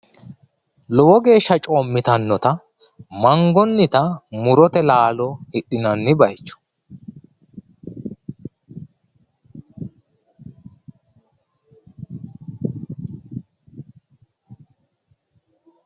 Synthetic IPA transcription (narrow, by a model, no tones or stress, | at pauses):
lɔwɔɡe̞ːʃːɐt͡ʃʼo̞ːmːɪt̪ɐnːɔt̪ɐ | mɐŋɡɔnːɪt̪ɐmʊɾɔt̪ɛlaːlɔɪɗːɪnɐnːɪbɐjt͡ʃːɔ̥